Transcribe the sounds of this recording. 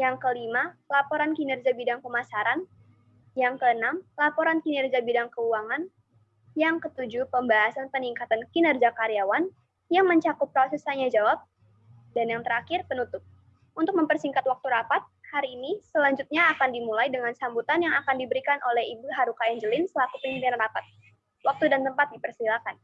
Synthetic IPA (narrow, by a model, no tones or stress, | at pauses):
jaŋkəlimalapoɾankinɛrd͡ʒabidaŋpəmasaɾan | jaŋkəənamlapoɾankinɛrd͡ʒabidaŋkəuaŋan | jaŋkət̪ud͡ʒupəmbaɦasanpəniŋkat̪ankinərd͡ʒakaɾjawan | jaŋməɲt͡ʃakʊp̚kasusaɲad͡ʒawap̚ | danjaŋt̪əɾakɪrpənut̪ʊp̚ | unt̪ʊk̚məmpərsiŋkat̪wak̚t̪uɾapat̪̚haɾiːnisəlaɲd͡ʒut̪̚ɲaːkandimulajdəŋansambut̪anjaŋakandibəɾikanʔolɛhibuɦaɾukaɛɲd͡ʒəlɪnsəlakupəɲipianrapat̪̚ | wak̚t̪udant̪əmpat̪̚dipərsilakan